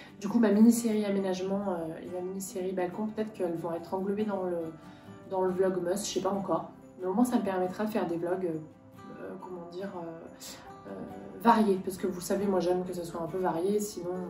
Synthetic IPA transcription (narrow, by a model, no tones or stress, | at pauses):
d̪ykumaminiseʁiamenaʒmɑ̃øḛmaminiseʁibalkɔ̃pøt̪ɛt̪χə̥kəɛlvɔ̃ɛt̪χɑ̃ɡlɔped̪ɑ̃lə | d̪ɑ̃ləblɔɡmœsʃɛpaɑ̃kɔːʁ | mɛomwɛ̃saməpɛʁmɛt̪χad̪əfɛʁd̪evlɔɡø | økɔmɑ̃d̪iʁø | ø̰vaʁjepaʁsə̥kəvulsavemwaʒɛmkəsəswaɛ̃pøvaʁjesinɔ̃